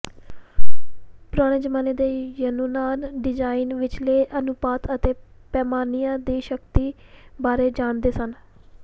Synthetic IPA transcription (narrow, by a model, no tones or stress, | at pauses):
pʊɾaːɽ̃eːd͡ʒəmaːneːd̪eːjənuːnaːnɖɪd͡ʒaːinʋɪt͡ʃleːʔənʊpaːt̪ət̪eːpɛːmaːnijãːd̪iːʃəkt̪iːbaːɾeːd͡ʒaːnd̪eːsən